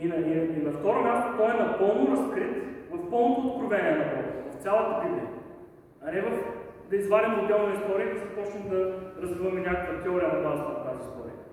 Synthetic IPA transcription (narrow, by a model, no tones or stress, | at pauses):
inɐiinɐft̪ɔɾomʲjast̪ʊt̪ɔjɛnɐpɤlˠnoɾɐskɾit̪vɐfːɔlˠnot̪oːt̪̚kɾovɛnʲiɛnɐbɔɾət̪vɐft̪sʲjalˠɐt̪əb̪id̪ɛ | ɐnɛvɐf | d̪ɐizvaɾɛmʊd̪ɛlˠnɐist̪ɔɾiəiszɐpɔt͡ʃnɛmd̪ɐɾɐzvivəmɛnʲakəkvət̪ɛɔɾiənɐbazəɐft̪azist̪ɔɾḭə